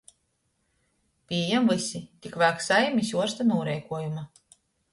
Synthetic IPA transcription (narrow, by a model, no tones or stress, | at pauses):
pʲiɛjɛmvɨsit̪ʲikvæːksajɛmisʲuɔɾst̪anuːɾɛjkuɔjuma